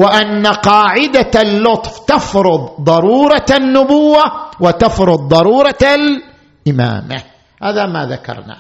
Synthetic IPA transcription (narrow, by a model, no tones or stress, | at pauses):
wɪʔanːaqɑːʕɪd̪alːʊt̪ˤft̪ɑfɾʊd̪ˤðˤɑɾuːɾˤɑanːʊbʊwːawɪt̪afɾʊd̪̚ːˤɑɾuːɾˤɑal | ʔɪma̰ːma̰ | haːðama̰ða̰kɑ̰ɾˤna̰ː